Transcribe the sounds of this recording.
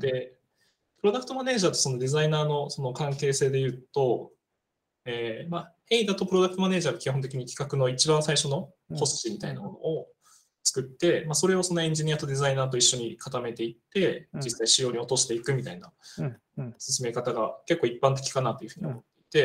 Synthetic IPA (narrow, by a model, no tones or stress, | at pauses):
d̪̥e̞ | pɯ̟ɾo̞d̪akɯ̟̥t̪o̞mane̞ːʑaːt̪o̞so̞no̞d̪e̞zainaːno̞so̞no̞kãŋke̞ːse̞ːd̪e̞jɯ̟ːt̪o̞ | eːmahe̞id̪at̪o̞pɯ̟ɾoak̟t̪omane̞ːʑaːɡakʲiho̞nt̪̬ekʲiɲ̟ikʲi̥kakɯ̟no̞it͡ɕibãɰ̃saiɕo̞no̞ | kʰo̞st͡ɕimʲit̪ainamo̞no̞̰o | t͡sɨ̥kɯ̟t̪ːe̞maso̞ɾe̞o̞so̞no̞ẽ̞ɲ̟d͡ʑiɲ̟ijat̪o̞d̪e̞zainaːt̪̬o̞iɕːo̞ɲ̟ikat̪ame̞t̪e̞it̪ːe̞d͡ʑisːaiɕijo̞ːɲ̟io̞t̪o̞ɕi̥t̪e̞ikɯ̟mʲit̪aina | sɨsɨme̞kat̪aɡake̞kːo̞ːipːãnt̪̬e̞kʲi̥kanat̪ːojɯ̟ɸɯ̟ɲ̟iomot̪ːe̞it̪e̞